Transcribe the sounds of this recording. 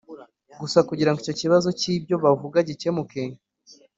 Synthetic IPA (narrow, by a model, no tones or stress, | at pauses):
ɡusakuɟiɾaŋɡico̞ciβazo̞ciːbɟo̞βavuɡaɟicemukeɲ